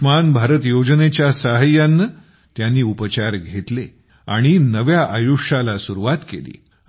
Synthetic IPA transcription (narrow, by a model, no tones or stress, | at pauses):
manbʱaɾət̪jod͡ʑnet͡ɕjasaɦəjanːə | t̪janːiːupət͡ɕaɾɡʱet̪le | aɽ̃inəʋjaʔajuʂalasuɾuʋat̪kḛlḭː